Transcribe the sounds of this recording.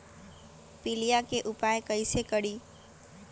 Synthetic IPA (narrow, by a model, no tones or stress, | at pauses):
pɪlijakeʔʊpajkəjsekəɽiː